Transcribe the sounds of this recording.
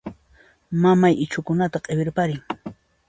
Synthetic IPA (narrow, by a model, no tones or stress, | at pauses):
mamajɪt͡ʃʊkʊnat̪aqʼebɪɾpaɾɪŋ